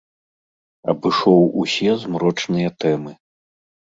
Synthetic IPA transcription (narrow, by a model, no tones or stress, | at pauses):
ɐ̰bɨʂɔwusʲɛzmɾɔt͡ʂnɨjɐt̪ɛmɨ